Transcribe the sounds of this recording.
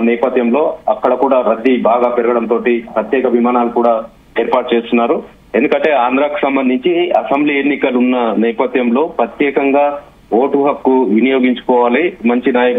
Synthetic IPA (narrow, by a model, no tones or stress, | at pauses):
nɛːpɐt̪jɐmlo̞ːɐkːɐɽɐkuːɽaːɾɐd̪ːibaːɡaːpɛɾɐɡɐɽɐnt̪o̞ːʈipɾɐt̪jɛːkɐbʱimaːnaːlukuːɽaː | e̞ːɾpaːʈ̚t͡ʃeːst̪unːaːɾu | e̞nd̪ukɐɳʈe̞ːaːnd̪ɾaːku̥sɐmbɐnd̪ʱiɲt͡ʃiɐsɐmbliːenːikɐlunːɐnɛːpɐt̪jɐmlo̞ːpɾɐt̪jɛːkɐŋɡaː | oːʈuɦɐp̚kuʋinijoːɡiɲt͡ʃu̥kɔːʋaːlimɐɲt͡ʃinaːjɐk